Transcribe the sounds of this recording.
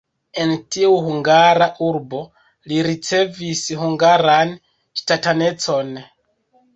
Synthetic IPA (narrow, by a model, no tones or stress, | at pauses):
e̞ntiuhuŋɡaɾaʔuɾbo̞ | liɾit͡se̞vishuŋɡaɾan | ʃtatane̞t͡so̞n